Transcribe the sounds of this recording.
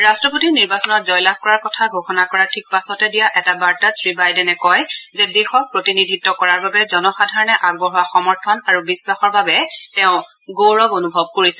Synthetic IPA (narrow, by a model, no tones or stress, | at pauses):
ɹastɹɔpotiɹniɹbasɔnɔt̚zɔjlax̚kɔɹaɹkɔtʰaɡʱoxɔnakɔɹatʰik̚pasɔtɛdijaʔɛtabaɹtasɹibajdɛnɛkɔjzɛdexɔk̚pɹotinidʱitːɔkɔɹaɹbabɛzɔnɔxadʱaɹɔnɛʔaɡ̚bɔɦuwaxɔmɔɹtʰɔnaɹubiswaxɔɹbabɛtɛʊ̃ | ɡoɹɔbonubʱɔb̚koɹisɛ